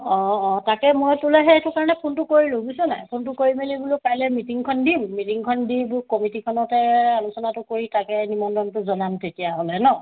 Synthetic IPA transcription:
ɔ̃ːtakɛmojtulɛɦɛtʊkaɹɔnɛpʰuntʊkoɹilʊ̃busɔna̰jpʰuntʊkoɹimelibulopajlɛmitiŋkʰɔndimːitiŋkʰɔndibʊɹkɔmitikʰɔnɔtɛalusɔnatʊkoɹitakɛnimɔndɔntʊzɔnamtʰekijaɦolɛnɔ

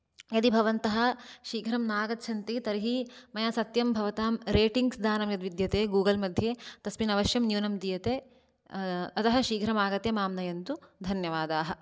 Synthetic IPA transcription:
jɐt̪ibʱɐʋɐnt̪ɐɦɐ̆ʃiːɡʱɾɐmnaːɡɐt̪t͡ʃʰɐnt̪it̪ɐɾiɦimɐjaːsɐt̪jɐmbʱɐʋɐt̪aːmɾeːʈiŋɡsd̪aːnɐmjɐd̪ʋid̪jɐt̪eːɡuːɡɐlmɐd̪ʱjeːt̪ɐsminɐʋɐʃjɐmnjuːnɐmd̪iːjɐt̪eː | ɐt̪ɐɦɐ̆ʃiːɡʱɾɐmaːɡɐt̪jɐmaːmnɐjɐnt̪ud̪ʱɐnjɐʋaːd̪aːɦɐ̆

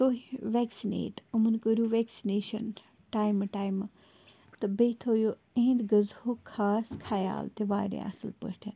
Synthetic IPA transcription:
t̪oːɦiʋeːksinḛːʈumɐnkoɾuʋeːksineːʃɐ̰n | ʈaːjmʈaːjm | t̪ɐbeːt̪ʰoːjo | ẽːnd̪ɡɐzhokʰaːskʰaːja̰ːlt̪eʋaːɾḛ̃a̰səlpə̰ʈʰɐn

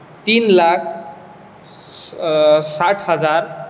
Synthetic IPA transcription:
t̪inlakʰ | saʈʰɦʌd͡zar

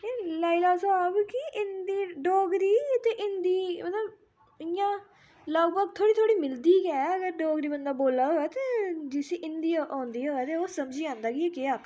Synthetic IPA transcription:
eːlaːilaːsaːbkɪʔɪnd̪iːɖɔːɡɾiːt̪eːʔɪnd̪iːmət̪ləb | ɪjãː | ləɡbaːk̚t̪ʰoːɽiːt̪ʰoːɽiːmɪld̪iːɡɛːəɡəɾɖɔːɡɾiːbənd̪aːboːlaːɦoːɛːt̪eːd͡ʒɪseːʔɪnd̪ijaʔɔ̃ːnd̪iːoːɛːt̪eːoːsəmd͡ʒiːãːnd̪aːkɪɛːkeaːk

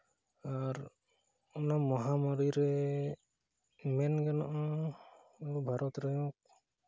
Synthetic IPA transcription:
aɾ | unamɔɦamɔɾiɾɛ | mɛnɡɛnɔʔɔ | ubʱaɾɔt̪ɾɔjũk̚

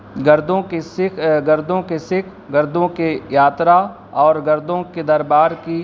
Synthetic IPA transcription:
ɡɐɾd̪õkesɪɡɐɾd̪õkesɪkʰ | ɡɐɾd̪õkejaːt̪ɾa | ɔːɾɡɐɾd̪õked̪ɐɾbaːɾki

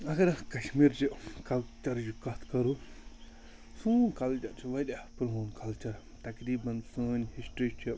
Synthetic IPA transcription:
ɐɡɐɾkɐʃmiːɾd͡ʒikɐlt͡ʃɐɾd͡ʒikɐt̪ʰkɐɾu | sũːnkɐlt͡ʃɐɾt͡ʃʰiʋɐdʲapɾɦoːnkʰɐlt͡ʃɐɾ | t̪ɐkɾiːbɐnsəːnʲhisʈɾit͡ʃʰi

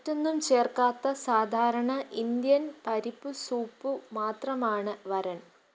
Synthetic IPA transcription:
tːenːumt͡ɕe̞ːrkaːt̪ːɐsaːd̪ʱaːɾɐɳɐʔind̪jɐnpɐɾipːɨsuːpːɨmaːt̪rɐmaːɳɨʋɐɾɐn

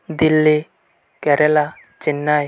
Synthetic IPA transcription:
d̪ilːi | kɛɾɛla | t͡ʃinːaj

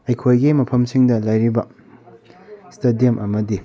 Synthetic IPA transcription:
ɐjkʰojɡimɐpʰɐmsiŋdɐlɐjɾibɐ | stɐdijɐmʔɐmɐdi

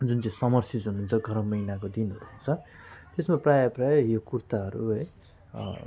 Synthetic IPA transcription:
d͡zunt͡saj̃sʌmʌrsit͡sununt͡sʰʌɡʱʌɾʌmːʌjnak̬od̪inɦʌɾuɦunt͡sʰʌt̪esmaprajʌprajjokurt̪aɦʌɾṵʌj

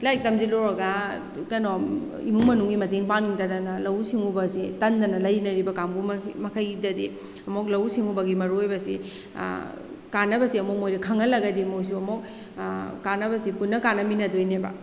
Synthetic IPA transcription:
lajk̚tɐmzilɔɾɐɡa | kɐnɔm | ḭmuŋmɐnuŋɡimɐteŋpaŋniŋtɐdɐnɐlɐwsiŋubɐsitɐndɐnɐlɐjnɐɾibɐkambummɐkʰajidɐdi | ɐmok̬̚lɐwsiŋubɐɡimɐɾujbɐsḭ | kanɐbɐsiɐmɔk̚mojɾɐkʰɐŋɐlɐɡɐdimows̬uɐmɔk̚ː | anɐbɐsipunːɐkanɐminɐdojnebɐ̰

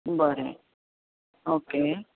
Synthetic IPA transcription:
bəɾḛ | oːkeː

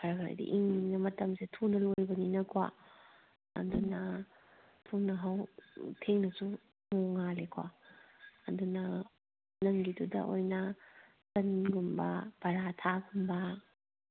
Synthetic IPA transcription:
pʰɐɾɡaɾḭdḭʔiŋnɐmɐtɐmsetʰunɐlojbɐninɐkʰwa̰ | ɐ̰dunɐ | tʰunɐɦɐwtʰeŋnɐsu | moŋalekʰwa̰ | ɐdunɐ | nɐŋɡidudɐ̰ʔo̰jnɐ | sɐnɡumbɐ̰b̥ɐɾatʰaɡumbɐ

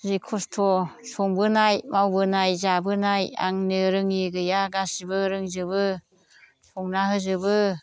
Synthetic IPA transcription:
zikʰɔstʰɔsɔŋbɯnajmawbɯnajzabɯnaja̰ŋnɯɾɯŋiɡɯjaɡasibɯɾɯŋzɯbɯ | sʰɔŋnaɦɯzɯbɯ

